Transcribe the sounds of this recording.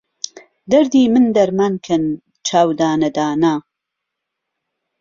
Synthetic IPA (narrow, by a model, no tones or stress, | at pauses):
d̪ɐɾd̪iːmɨnd̪ɐɾmankʰɐn | t͡ʃʰaːwd̪aːnɐd̪aːnaː